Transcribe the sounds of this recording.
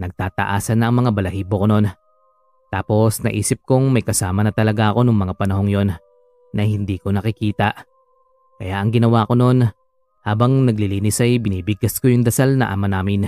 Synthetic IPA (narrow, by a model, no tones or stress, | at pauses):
nɐɡ̚t̪aːt̪ɐ̰ʔaːsɐnːɐʔɐŋmɐŋabɐlɐhiːbokono̞n | t̪aːpo̞snɐ̰ʔḭːsɪp̚koŋmɐjkɐsaːmɐnɐt̪ɐlɐɡaʔɐko̞nʊŋmɐŋapɐnɐho̞ŋjo̞nː | ɐhɪnd̪iːkonɐkɪkiːt̪ɐʔ | kɐjaʔɐŋɡɪnɐwako̞no̞n | haːbɐŋnɐɡ̚lɪliːnɪsɐjbɪniːbɪɡɐsko̞jʊŋd̪ɐsalnɐ̰ʔa̰ːmɐnaːmɪn